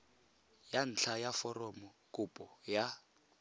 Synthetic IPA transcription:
jan̩t͡ɬʰajafɔrɔmɔkʼʊpʼɔja

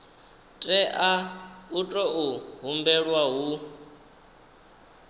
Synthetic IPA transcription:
tʼɛʔautʼɔʔuɦumbɛɺwaɦu

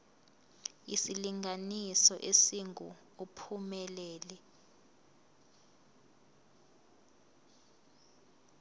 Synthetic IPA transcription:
isiliŋʱanisɔʔesiŋu | upʰumɛlɛːlɛ

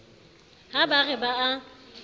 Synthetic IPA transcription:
habaɣɛbaa

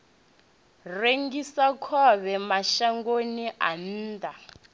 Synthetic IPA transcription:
reŋɡisakʰɔβɛmaʃaŋɡoniʔa̰n̩ːda

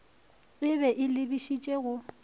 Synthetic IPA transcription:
ɣɪβɛʔɪlɪbiʃit͡ʃʼeɣʊ

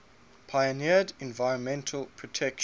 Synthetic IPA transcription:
pʰajənɪədɛ̃nvaɪɹə̃nmɛ̃ntʰəlˠpʰɹ̥ɔtʰɛkʃ

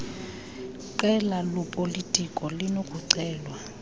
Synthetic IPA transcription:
ǃɛlalɔpʼolitʼikʼɔlinokʼuǀɛːlwa

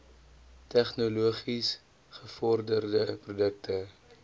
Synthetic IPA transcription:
tɛχnuluəχis | χəfɔrdərdəprudək̚tə

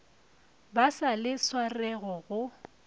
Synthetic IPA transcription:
basalɪswarɛɣɔɣʊ

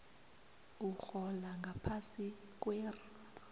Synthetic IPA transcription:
uxɔlaŋɡʱapʰasi | k̬ʼweːru

